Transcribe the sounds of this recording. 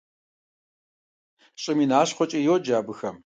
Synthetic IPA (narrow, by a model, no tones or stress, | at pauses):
ɕʼɪminaːɕχʷɔt͡ʃʼijod͡ʒaːbɨxɐm